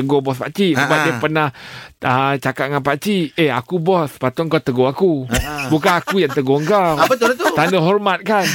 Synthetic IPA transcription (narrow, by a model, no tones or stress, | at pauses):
əɡobɔspaʔt͡ʃisəbap̚diəpərnahət͡ʃakaʔ̚ŋanpaʔt͡ʃieakubɔspat̪oŋkawt̪əɡoakubukanakujaŋt̪əɡoəŋkawapət̪ot̪ot̪andəɦɔrmat̪̚kan